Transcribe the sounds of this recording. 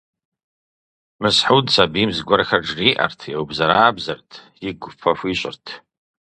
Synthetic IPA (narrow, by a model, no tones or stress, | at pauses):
mɨsħudsabimzɡʷarxʲaʈ͡ʂriʔa̰rtʰjewbzaɾaaːbzartʰ | iɡʷpʰafiɕʷʼɪ̰rtʰ